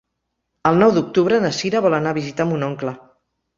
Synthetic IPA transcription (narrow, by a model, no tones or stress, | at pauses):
əlˠnɔwd̪uk̚t̪uβɾənəsiɾəβɔlənaβizit̪ambunɔŋklə